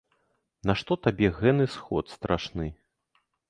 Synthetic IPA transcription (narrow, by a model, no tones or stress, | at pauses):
naʂt̪ɔt̪abʲɛɣɛnɨsxɔt̪st̪ɾʔaʂnɨ